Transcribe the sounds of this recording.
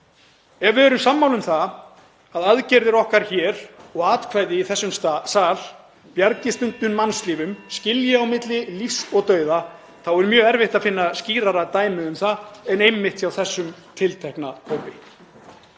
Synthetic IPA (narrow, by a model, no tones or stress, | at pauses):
ɛvɪɛːɾʏmsamːawlʏmθa | aðaðcɛɾðɪɾɔhkaɾ̥çɛːɾɔɣaːt̪kʰvajðɪiθɛsːʏmst̪asaːl̥ | pjaɾcɪst̪ʏnt̪ʏnmansliːvʏmscɪljɪawmɪt̪lɪlifsɔɣt̪œːɥða | θawɛɾʏmjœːɣɛɾvɪht̪aðfɪnːasciːɾaɾat̪aːjmɪʏmθaɛnejmːɪht̪sjawθɛsːʏmt̪ʰɪlt̪ʰɛhknahʰoːpɪ